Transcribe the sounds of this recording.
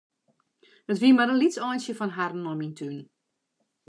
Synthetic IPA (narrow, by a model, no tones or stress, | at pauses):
dətʋiəmadənlitsɔjnsjəfɔnɦarn̩ːɔmintʰyn